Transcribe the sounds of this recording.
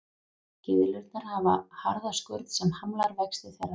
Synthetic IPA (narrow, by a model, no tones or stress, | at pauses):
cɪðlʏɾt̪̚naɾ̥havahaɾðaskœɾt̪sɛmhamlaɾvɛkst̪ɪθɛra